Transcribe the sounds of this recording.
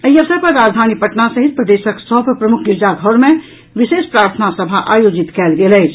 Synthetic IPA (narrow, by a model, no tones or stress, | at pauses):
əiəsəpəɾːaːd͡ʒd̪ʱanipəʈnasəɦit̪̚pɾəd̪eːʃəksɔɦbpɾəmʊkʰɡɪɾd͡ʒaɡʱɔɾmẽ | ʋiseːspɾaːɾt̪ʰənasəbʱaʔaːjoːd͡ʒit̪kɛːlɡelɛːt͡ʃʰ